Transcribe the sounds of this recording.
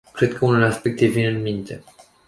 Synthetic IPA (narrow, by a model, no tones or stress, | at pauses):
kɾe̞d̪̚kʰəunuleaspe̞k̚t̪evinɨnmint̪e̞̰